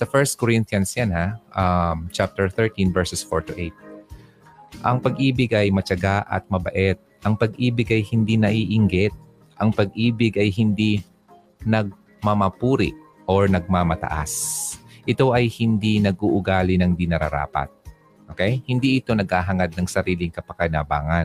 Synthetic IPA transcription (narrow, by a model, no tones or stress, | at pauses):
sɐfɛɹst̪̚koɾint̪jɐnsjanhaʔamt͡ʃap̚t̪ɛɹθɛɹt̪invɛɹsɛsfo̰ɹt̪ʊʔejt̪̚ | ʔɐŋpɐɡʔiːbɪɡʔɐjmɐt͡ʃɐɡaʔɐ̰t̪̚mɐbɐʔɛt̪̚ʔɐŋpɐɡʔiːbɪɡɐjhɪnd̪inɐʔiːʔɪŋɡɛt̪̚ | ʔɐŋpɐɡ̚ʔiːbɪɡʔɐjhɪnd̪i | nɐɡ̚ | mɐmɐpuːɾɪ̰ʔ | ʔoɹnɐɡ̚mamɐt̪ɐ̰ʔa̰sʔɪt̪o̞ʔɐjhɪnd̪inɐɡuʔʊɡaːlɪnɐŋd̪ɪnɐɾɐ̰ɾa̰ːpɐ̰t̪̚ | ʔokɛjhɪnd̪iʔɪt̪o̞nɐɡ̚haːɦɐŋad̪̚nɐŋsɐɾiːlɪŋkɐpɐkɐnaba̰ːŋɐn